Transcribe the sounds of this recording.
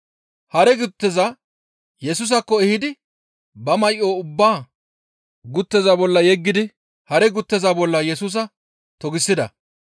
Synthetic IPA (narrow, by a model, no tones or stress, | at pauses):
hɐɾɛɡʊt̪ːɛzɐ | jɛsuːs̬ɐkːɔɛhɪd̪ɪ | bɐmɐjʔːo̞ːʊbːaː | ɡʊt̪ːɛzabɔlːɐjɛɡːɪd̪ɪ | hɐɾɛɡʊt̪ːɛzaːbɔlːɐjɛsuːs̬ɐ | t̪ɔɡɪsːɪd̪ɐ